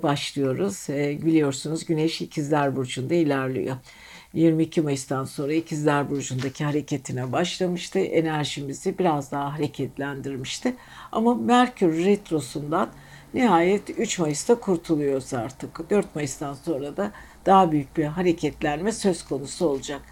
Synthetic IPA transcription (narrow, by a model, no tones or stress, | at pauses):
baʃlˠɯjo̞ɾuz̥bilʲijo̞ɾsunuzɟyneʃicʰizlʲæɾbuɾd͡ʒund̪ailʲæɾlʲḭjo̞ | jiɾmiːcʰimajɯst̪anso̞nɾaicʰizlʲæɾbuɾd͡ʒund̪acʰiɦaɾe̞cʰe̞t̪ʰinɛbaʃlˠamɯʃt̪ʰɯʔe̞næɾʒimizibiɾazd̪aɦaɦaɾe̞cʰɛt̪lʲænd̪iɾmiʃt̪ʰɪ | a̰mamæɾcʰyɾːɛt̪ɾo̞sund̪anː | iɦaːjɛt̪yt͡ʃmajɯst̪akʰuɾt̪ʰulˠujo̞ɾuzaɾt̪ʰɯkd̪ø̞ɾt̪̚majɯst̪anso̞nɾad̪a | d̪̥aɦabyjyc̚biɦaɾe̞cʰɛt̪lʲænmɛsø̞z̥kʰo̞nusuo̞lˠud͡ʒak̚